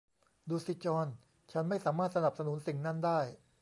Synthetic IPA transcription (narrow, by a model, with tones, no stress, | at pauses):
duː˧si˨˦˩t͡ɕɔː˧n | t͡ɕʰa˦˥nma˥˩jsaː˩˦maː˥˩t̪̚sa˧na˨˩p̚sa˧nu˨˩˦nsi˨˩ŋna˥˩ndaː˥˩j